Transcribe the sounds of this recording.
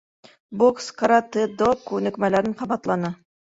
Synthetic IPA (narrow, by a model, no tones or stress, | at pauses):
bokskɐɾat̪ɘd̪okːʉnɘ̆kmælæɾɘɴqɑbɑt̪lˠɑnɤ